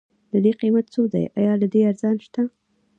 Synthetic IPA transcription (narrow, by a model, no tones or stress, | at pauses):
d̪əd̪eqimat̪t͡sod̪a̰jʔa̰jɑlad̪eaɾzɑnʃt̪a